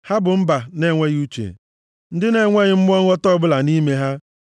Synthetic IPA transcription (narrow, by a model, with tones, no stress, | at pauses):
ha˦bʊ˨m̩˦ba˨ne˦˨ŋʷe˦ɣu˦t͡ʃḛ˨ | n̩˦dɪ˦ne˨ŋʷe˦ɣɪ˦m̩˦m˦ɔ˦ŋ˦ɔ˦tɔ˦bʊ˦la˨ni˦me˦ɦa˦